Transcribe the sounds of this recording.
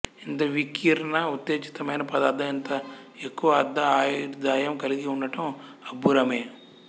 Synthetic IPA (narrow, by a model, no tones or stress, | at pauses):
int̪ɐʋikiːɾɐnɐut̪jeːt͡ʃi̥t̪ɐmɐjnɐpɐd̪aːd̪ʱːɐint̪ɐekːuʋɐːd̪ʱːɐaːjuɾd̪aːjɐmkɐliɡiuɳɖɐʈɐmɐbuɾɐmeː